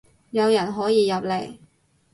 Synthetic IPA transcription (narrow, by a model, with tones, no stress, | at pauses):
jɐ˨˧wjɐ˨˩nɦɔː˨˥jiː˨˧jɐ˨p̚le˨˩j